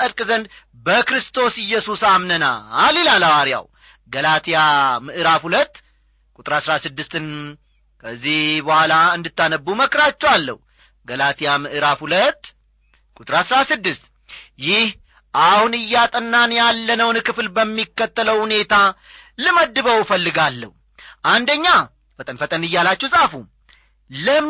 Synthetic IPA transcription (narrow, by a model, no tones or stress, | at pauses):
əɾkʼzənd̪ | bəkɾɨst̪ʰo̞sɨjːɛsusamnəna̰lelalawaɾja̰w | ɡəlat̪ʰijamɨʔɨɾafhulət̪ː | kʼut̪ʼɨɾasɾasɨd̪ːɨst̪ɨn | kʰəzːihbəhʷalaɨnd̪ɨt̪ːanəbːuməkɾat͡ʃːɛwalːə̰hu | ɡəlat̪ʰijamɨʔɨɾafhulət̪ː | kʼut̪ɨɾasɾasɨd̪ːɨst̪ | jɪh | ʔahunɨjːat̪ʼənːanjalːənəwnkɨflbəmːikːət̪ːələwhune̞t̪ʰa | lɨməd̪ːɨβəwfəlːɨɡalːə̰hu | ʔand̪əɲːa | fət̪ʼənfət̪ʼənɨjːalat͡ʃːɛwsʼafu | lə